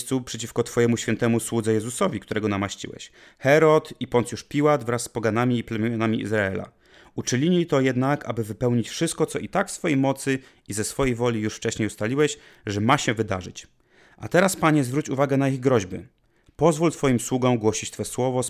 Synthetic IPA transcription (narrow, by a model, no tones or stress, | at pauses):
st̪supʂɛt͡ɕifkɔt̪fɔjɛmuɕfʲjɛnt̪ɛmuswud̪zɛjɛzusɔvʲikt̪uɾɛɡɔnamaɕt͡ɕḭwɛ̰ɕ | xɛɾɔt̪ipɔnt̪juʂpʲiwad̪vɾasːpɔɡanamʲiːplɛmʲjɔnamʲiḭzɾaɛla̰ | ut͡ʂɘɲʲiɲit̪ɔjɛd̪naka̰bɘvɘpɛwɲit͡ɕfʂɘst̪̚kɔt̪sɔʔit̪akfsfɔjejmɔt̪sɘ | izɛsfɔjejvɔlʲijuʂft͡ʂɛɕɲejust̪alʲiwɛɕ | ʐɛmaɕɛvɘd̪aʐɘt͡ɕ | ʔa̰t̪ɛɾaspaɲɛzvɾut͡ɕuvaɡɛnaiɣɡɾɔʑbɘ̰ | pɔzvult̪fɔjimswuɡɔ̃w̃ɡwɔɕit͡ɕt̪fɛswɔvɔs